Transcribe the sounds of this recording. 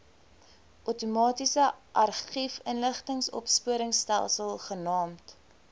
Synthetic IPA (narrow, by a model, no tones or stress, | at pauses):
ʔotumɑːtisəʔɐrχifənləχtəŋsɔ̰pspuəɾəŋstæ̰lˠsəlˠχənɑːmt